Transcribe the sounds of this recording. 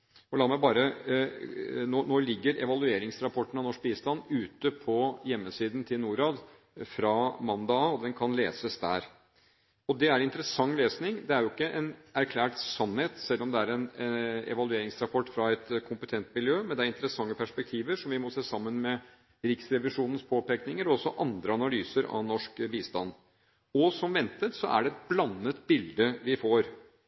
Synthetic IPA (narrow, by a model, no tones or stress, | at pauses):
ɔlɑːmɛbɑːɾə | noːnoːlɪɡːəɾɛ̰ʋɑlʉeːɾɪŋsɾɑpʰɔʈːənɑnɔʂk̚biːst̪ɑnːʉːt̪əpʰɔjɛmːəsiːd̪ən̩t̪ʰɪlnuːɾɑːd̪ | fɾɑmɑnd̪ɑɔd̪ɛnkʰɑnlḛːsəsd̪æ̰ːɾ | ɔd̪ɛæɾɪnt̪əɾəsɑŋːleːsnɪŋd̪ɛæɾjʊɪkːəʔɛnæɾkʰlæːʈsɑnheːt̪sɛlːɔmd̪ɛæɾɛnɛ̰ʋɑlʉeːɾɪŋsɾɑpʰɔʈːfɾɑɛt̪kʰʊmpət̪ʰɛnt̪mɪljøːmɛnd̪ɛæɾɪnt̪əɾəsɑŋːəpʰæʂpɛk̚t̪ʰiːʋəɾʂɔmʋɪmɔseːsɑmːənmɛ | ɾɪksɾɛʋɪʂuːnən̩spʰoːpeknɪŋəɾɔɔsɔʔɑnd̪ɾəɑnɑlyːsəɾɑ̰nɔʂkbiːst̪ɑnd̪ | ɔsɔmʋɛnt̪ət̪sɔʔæ̰ɖɛɛt̪̚blɑnːət̪bɪld̪əʋɪfoːɾ